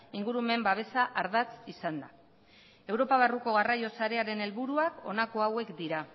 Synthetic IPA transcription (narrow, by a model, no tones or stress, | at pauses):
iŋɡuɾume̞mbaβ̞e̞saʔaɾðat͡sisand̪a | e̞wɾo̞paβ̞aruko̞ɣ̞arajo̞saɾe̞aɾe̞ne̞lβuɾuako̞nako̞awe̞kd̪iɾa